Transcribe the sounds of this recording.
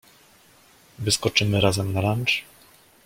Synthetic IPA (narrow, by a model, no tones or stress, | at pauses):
vɘskɔt͡ʂɘmɘɾazɛmnaɾant͡ʂ